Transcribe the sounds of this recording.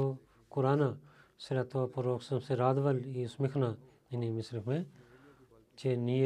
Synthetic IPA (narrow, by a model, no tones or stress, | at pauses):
o | kʊɾaːnasɪɾat̪oapuɾoːksɐmseɾaːd̪ʋɐlismɪkʰna | inimɪsɾɪkʰmẽ | t͡ʃeni